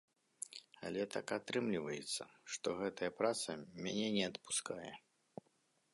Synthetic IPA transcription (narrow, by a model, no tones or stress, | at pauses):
a̰lʲɛt̪a̰kat̪ɾɨmlʲivɐjɛt̪sːɐ̰ʂt̪ɔɣɛt̪ɐjɐpɾat̪sɐmʲanʲɛnʲɛɐt̪pu̥skajɛ̰